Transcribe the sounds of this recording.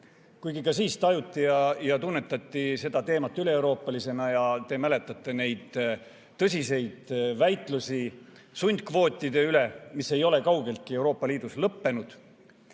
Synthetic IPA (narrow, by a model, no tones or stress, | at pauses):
kujɡikɑsiːst̪ɑjut̪ˑːijɑjɑt̪unːe̞t̪ːˑɑt̪ːise̞d̪̥ɑt̪e̞ːmɑt̪ːˑyle̞ːwɾo̞ːpːˑɑlise̞nɑjɑt̪e̞mæle̞t̪ːˑɑt̪ːˑe̞ne̞jd̪̥ | t̪ːɤsʲise̞jd̪̥væjt̪ˑlusʲi | sunʲd̪̚kvo̞ːt̪ʲːˑid̪̥e̞yle̞mise̞jo̞le̞kɑwɡe̞lt̪̚kiewɾo̞ːpːɑliːd̪̥uslɤpːe̞nud̪̥